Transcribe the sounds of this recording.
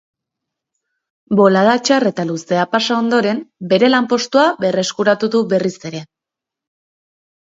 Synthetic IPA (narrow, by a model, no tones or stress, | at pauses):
bo̞lað̞at͡ʃare̞t̪aluse̞apasao̞nd̪o̞ɾe̞mbe̞ɾe̞lampo̞st̪uaβe̞re̞skuɾat̪uðuβe̞rise̞ɾe̞